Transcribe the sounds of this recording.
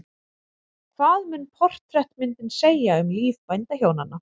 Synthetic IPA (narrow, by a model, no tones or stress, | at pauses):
kʰvaːðmʏnpʰɔr̥t̪ɾɛht̪mɪnt̪ɪnseːjaʏmliːvpajnt̪ahjownanːa